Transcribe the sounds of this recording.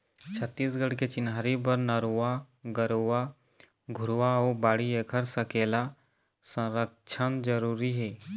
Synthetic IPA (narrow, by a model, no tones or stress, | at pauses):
t͡ʃʰət̪ːiːs̬ɡəɽket͡ʃɪnaːɾibəɾnəɾua | ɡəɾoa | ɡʱʊɾwaoːbaːɽiekʰəɾsəkeːla | sə̃ɾəkt͡ʃʰənd͡ʒəɾuːɾiɦɛː